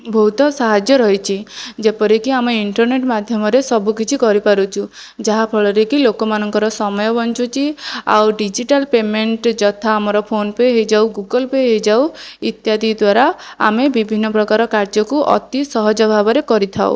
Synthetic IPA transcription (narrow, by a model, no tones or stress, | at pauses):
bʱɔɦut̪ɔsaɦad͡ʒjɔɾɔɦit͡ʃʰid͡ʒepɔɾikiameiɳʈɔɾneʈmad̪ʱjɔmɔɾesɔbukit͡ʃʰikɔɾipaɾut͡ʃʰu | d͡ʒaɦapʰɔɭɔɾekilokɔmanɔŋkɔɾɔsɔmɔjɔbɔnt͡ʃut͡ʃʰia̰wɖid͡ʒiʈalpemeɳʈd͡ʒɔt̪ʰaːmɔɾɔpʰonpeɦejd͡ʒawɡuɡɔlpeɦejd͡ʒawit̪jad̪id̪waɾaa̰mebibʱinːɔpɾɔkaɾɔkaɾd͡ʒɔkuʔɔ̰t̪isɔɦɔd͡ʒɔbʱabɔɾekɔɾit̪ʰao̰